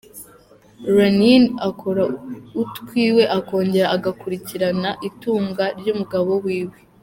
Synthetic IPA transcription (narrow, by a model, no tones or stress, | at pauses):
ɾaninakʰo̞ɾautkwiːwe̞ʔako̞ːɲɟe̞ɾaʔaɡakuɾiciɾanaʔituːŋɡaɾɟuːmuɡaβo̞wiːwe̞